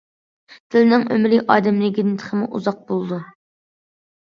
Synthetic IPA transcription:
t̪ʰɪlɪnɪŋø̰mɾɪʔɑːd̪ɪmlɪɡʲinɪt̪ʰə̥χʰəmuʔṵzɑq̚bolˠd̪u

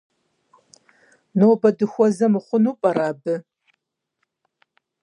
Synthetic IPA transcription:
nowbɐdɨxʷɔzɐmɨχʷʊnuːpʼɐɾaːbɨ

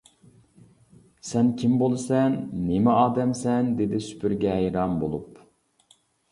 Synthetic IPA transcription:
sɛnkʲʰimbolˠɨsɛnːemɛɑːd̪ɛmsɛnd̪ed̪ɪsy̥pʰyɾɡʲɛɦɛjɾɑmbo̰lˠup

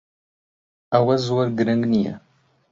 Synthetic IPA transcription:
awɐzwɐrɡɨɾɐŋɡnijɐ̰

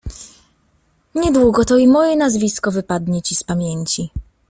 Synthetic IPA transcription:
ɲɛd̪wuɡɔt̪ɔimɔjɛnazvʲiskɔvɘpad̪ɲɛt͡ɕispamʲjeɲt͡ɕi

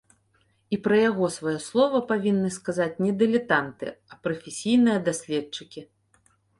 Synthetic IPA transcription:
ipɾɐjaɣɔsvajɛslˠɔvɐpavʲinːɨskazat͡sʲnʲɛd̪ɛlʲɛt̪ant̪ɨ̰ɐpɾɐfʲɛsʲijnɨjɐd̪asʲlʲɛtt͡ʂɨkʲi

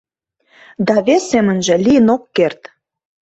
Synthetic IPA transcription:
d̪ɑβesːemə̆nʒĕlijənokːert̪

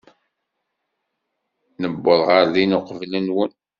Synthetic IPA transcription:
nəbːoðˤʁəɾlinoqvlənwən

